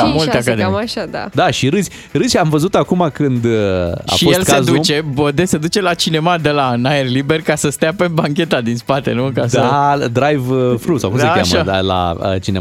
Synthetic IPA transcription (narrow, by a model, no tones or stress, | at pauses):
mult̪eakad̪eaʃad̪a̰d̪aʃiɾɨzʲ | ɾɨzʲamvəzut̪akumakɨnd̪a̰ʃioslkeazd̪ut͡ʃe̞bəd̪ese̞d̪ut͡ʃe̞lat͡ʃine̞mad̪e̞lanajerlibe̞rkasəst̪eapebaŋkʲe̞t̪ad̪inspat̪e̞̰nukasd̪aəd̪ɾajvfɾusawkumsəaakʲːaməaala̰ə̰t͡ʃinem